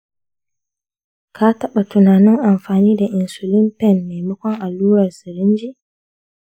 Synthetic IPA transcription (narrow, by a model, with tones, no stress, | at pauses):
kʰaː˦ta˦ɓa˨tu˨naː˨nɪ˦ŋʔa˨mfaː˨niː˦da˨ʔɪ˨nsu˨li˦mpɛ˦nːɛ˨mʊ˦kʷɔ˦ŋʔa˨luː˦ɾa˨ɾsi˨ɾi˦nd͡ʒi˦